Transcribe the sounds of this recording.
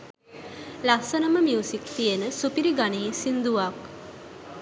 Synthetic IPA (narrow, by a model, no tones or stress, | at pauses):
lasənəməmiusikt̪ijənəsupiɾiɡaneːsind̪uʋak